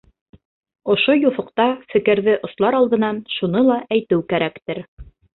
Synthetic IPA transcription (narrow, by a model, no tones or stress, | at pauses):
ŏʃojuθŏq̚t̪ɑfɘ̆kɘ̆ɾðɘʔŏslˠɑɾɑlˠd̪ɤ̆nɑnʃunɤlˠɑʔæjt̪ɘwkæɾækt̪ɘɾ